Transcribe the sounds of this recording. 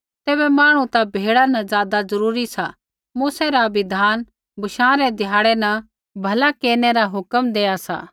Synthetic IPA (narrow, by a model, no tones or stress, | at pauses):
t̪eːbɛmaːɽ̃ũt̪abʱeːɽanɐzjaːd̪azɐɾuːɾisa | muːsɛɾaʋɪd̪ʱaːn | bʱɐʃãːɾɛd̪ʱɪjaːɽɛnɐ | bʱɐlakeːnɛɾaɦʊkəmd̪eːasa̰ː